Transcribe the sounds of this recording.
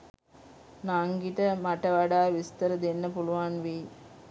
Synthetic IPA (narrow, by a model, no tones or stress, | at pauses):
naŋɡiʈəmaʈəʋaɖaːʋist̪əɾəd̪enːəpuluʋanʋi